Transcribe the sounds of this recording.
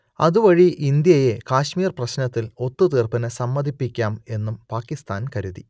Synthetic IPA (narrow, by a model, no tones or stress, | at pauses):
ɐðuʋɐɻiʔind̪jɐje̞kaːɕmiːrprɐɕnɐt̪ːilo̞t̪ːut̪iːrpɐnɨsɐmːɐd̪ʱipːikʲːaːme̞nːumpaːkːist̪aːnkɐɾuðḭ